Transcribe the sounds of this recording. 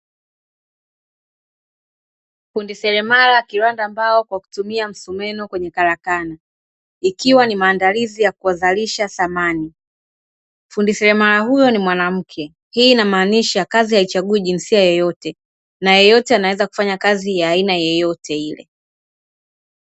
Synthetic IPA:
fundisɛɾɛmalakiɾwandaːmbaɔkwaku̥tumiam̩sumɛnɔkwɛɲɛkaɾakana | ikiwanimaːndalizijakuazaliʃaθamani | fundisɛɾɛmalahujɔnimwanam̩kʰɛ | hiːnamaːniʃakazijait͡ʃaɠuɛʄinsiajɔjɔtɛ | najɔjɔtɛanawɛzaku̥faɲakazijaːinajɛjɔtɛilɛ̰

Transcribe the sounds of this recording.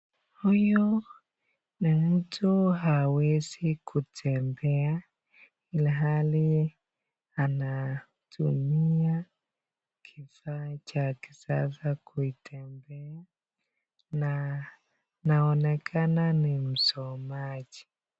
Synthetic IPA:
hujɔ | nim̩tʰuɦawɛzikʰutʰɛmbɛa | iliɦali | ana | tʰṵmia | kʰifaːt͡ʃaki̥sa̰sakʰuitʰɛmbɛa | na | naɔnɛkʰananim̩sɔmad͡ʒi

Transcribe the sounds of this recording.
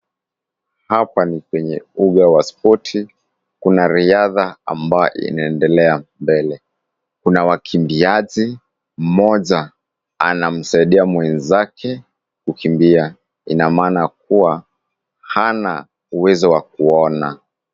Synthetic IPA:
hapanikwɛɲɛuɠawaspʰɔtʰi | kunaɾiaðaa̰mbajɔ̰ʔḭnaɛndɛlɛambɛlɛ | kunawakʰimbiaʄi | m̩mɔʄa | anam̩saiɗiamwɛnzakʰɛ | kukimbia | inamaːnak̚uwa | hana | uwɛzɔwak̚uɔna

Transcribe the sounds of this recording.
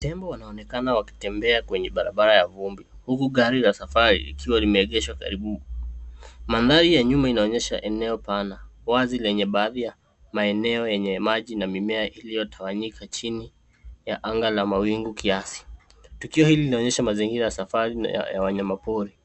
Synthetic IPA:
tɛmbɔwanaɔnɛkanawaki̥tɛmbɛakwɛɲɛɓaɾaɓaɾajavumbi | hukuɠaɾilasafaɾḭlḭkʰiwalimɛːɠɛʃwaka̰ɾiɓu | manðaɾijaɲumainaɔɲɛʃa̰ʔɛnɛɔpanawazilɛɲɛɓaːðija | maɛnɛɔjɛɲɛmaʄinamimɛaʔilijɔtʰawaɲikʰat͡ʃini | jaʔaŋɡalamawiŋɡukiasi̥tukiɔhililinaɔɲɛʃamaziŋɡiɾajasafaɾḭja̰waɲamapuɾi

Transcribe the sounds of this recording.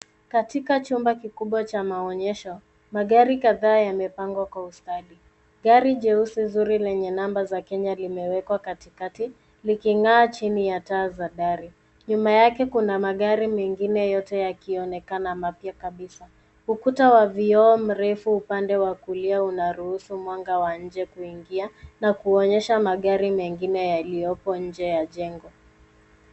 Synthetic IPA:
katikat͡ʃumbakikuɓwat͡ʃamaɔɲɛʃɔ | maɠaɾikaðaːjamɛpaŋɡwakwaustaɗi | ɠaɾiʄɛusizuɾilɛɲɛnambazakɛɲalimɛwɛkwakatikati | likiŋaːt͡ʃinijataːzaɗaɾi | ɲumajakɛkunamaɠaɾimɛŋɡinɛjɔtɛjakiɔnɛkanamapjakaɓisa | hukutawaviɔːm̩ɾɛfuupandɛwakuliaunaɾuhusumwaŋɡawaɲ̩d͡ʒɛkuiŋɡianakuɔɲɛʃamaɠaɾimɛŋɡinɛjalijɔpɔɲ̩d͡ʒɛjaʄɛŋɡɔ

